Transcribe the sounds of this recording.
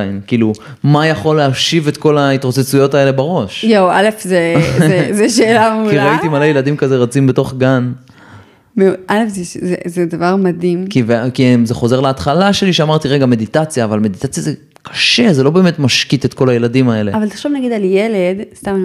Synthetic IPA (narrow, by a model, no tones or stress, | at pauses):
jnkiːlu | majaχo̞lːeaʃive̞t̪ko̞laitʁot͡set͡sujo̞tae̞le̞baʁo̞ʃjowalefzezezeʃeːlameukliʁait̪imalejeladimkazeʁat͡simbeto̞χɡan | mealefzezezedavaʁmad̪imkivekizeχo̞ze̞ʁleat̪χalaʃe̞liʃeamaʁt̪iʁe̞ɡame̞d̪itat͡sjaːvalme̞d̪itat͡sjaze | kʰḁʃezelo̞be̞ːmetmaʃkitetko̞laje̞ladimae̞le̞avalt̪ḁχʃovnaɡid̪aljeledst̪am